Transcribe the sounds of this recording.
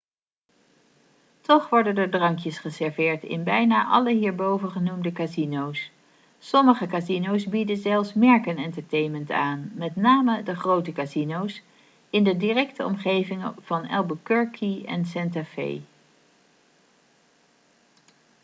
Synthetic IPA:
tɔχʋɔɹdəndədrɑŋkjəsχəsɛɹvɪːɹtɪ̰nbɛjnaːʔɑ̰ləɦiːɹbowvənχənumdəkazinows | sɔməχəkazinowszbidəzɛlˠfsmɛɹkənɛntəɹtejnməntaːnmɛtnaːmədəχrowtəkazinows | ɪndədirɛktəɔ̰mχejvɪŋv̥ɑnɛ̰lˠbəkøɹkʰiɛ̰nsɛntafḛj

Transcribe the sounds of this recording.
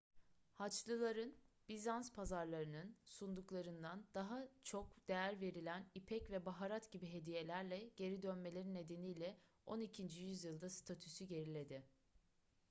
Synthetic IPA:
hat͡ʃlˠɯlˠaɾɯnb̥izanspʰazaɾlˠaɾɯnɯnsund̪uklˠaɾɯnd̪and̪̥aɦat͡ʃʰo̞kd̪̥e̞jæɾve̞ɾilʲænipʰɛcvɛbaɦaɾat̪ɟibiɦe̞d̪ije̞lʲæɾlʲɛɟ̥e̞ɾid̪ønme̞lʲe̞ɾinːe̞d̪e̞nijlʲɛ | o̞nicʰind͡ʒijyzjɯlˠd̪ast̪ʰat̪ʰysyɟe̞ɾilʲe̞d̪ɪ

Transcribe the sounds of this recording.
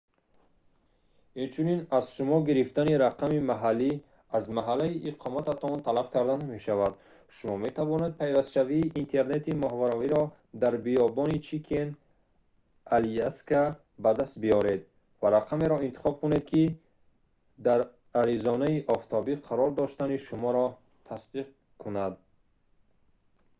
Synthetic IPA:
int͡ʃʰuninazʃumɔɡiɾift̪aniɾaqʰamimaɦalːi | azmaɦalːaiʔːqʰɔmat̪at̪ʰɔnt̪ʰalab̚kʰaɾd̪aname̞ʃavad̪ | ʃumɔme̞t̪ʰavɔne̞d̪̚pʰajvast̪ʃaviːʔint̪ʰe̞ɾne̞t̪imɔɦvaɾɔviɾɔ | d̪aɾbiɔbɔnit͡ʃʰikʰen | aliaska | bad̪ast̪̚biɔɾed̪ | vaɾaqʰame̞ɾɔint̪i̥χɔb̚kune̞d̪kʰi | d̪aɾ | aɾizɔnaiʔɔft̪ʰɔbiqʰaɾɔɾd̪ɔʃt̪aniʃumɔɾɔ | t̪ʰasd̪iq̚ | kʰunad̪̚

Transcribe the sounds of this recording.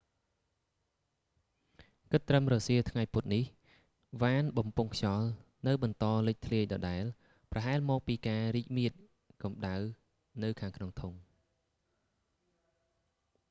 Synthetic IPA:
kɨt̪ːrəmrɔːsiət̪ʰŋajput̪̚nih | ʋaːnɓɑmpuŋkʰt͡ɕɑl | nɨwɓɑnt̪ɑːlɨc̚t̪ʰliəc̚ɗɑːɗaɛl | prɑɦaɛlmɔːk̚piːkaːriːc̚miət̪̚ | kɑmɗaw | nɨwkʰaːŋkʰnoŋt̪ʰuŋ

